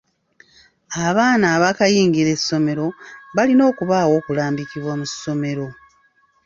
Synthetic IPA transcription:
aβaːnaːβakajiːŋɡiɾe̞sːo̞me̞ɾo̞βalino̞ːkuβaːwo̞ːkulaːmbikiβwamuso̞me̞ɾo̞

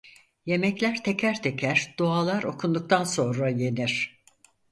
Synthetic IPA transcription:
je̞mɛclʲæɾt̪ʰecʰæɾt̪ʰe̞cʰæɾd̪̥oalˠaɾo̞̰kʰund̪uk̚t̪ʰanso̞nɾaje̞niɾ̝̥

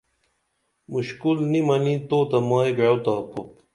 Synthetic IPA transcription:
muɕkulnimɐnit̪oːt̪ɐmaːjɡowt̪aːpup

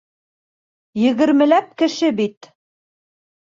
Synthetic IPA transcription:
jɘ̆ɣɘ̆ɾmɘ̆læp̚kɘ̆ʃɘbit̪

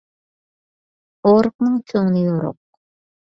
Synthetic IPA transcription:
oɾq̚nɨŋt͡ʃʰoŋnɨjoɾo̰q̚

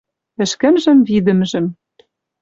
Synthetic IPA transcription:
ɘ̆ʃkɘ̆mʒɘ̆mvid̪ɘ̆mʒɘ̆m

